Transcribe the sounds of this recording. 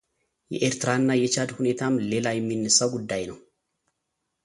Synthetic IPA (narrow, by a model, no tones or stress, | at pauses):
jɛ̰ʔeːɾt̪ɪɾaːnːajɛt͡ʃad̪hʊneːt̪ʰaːmleːlaːjɪmːinːɛsːɐwɡʊd̪ːaːjnɐ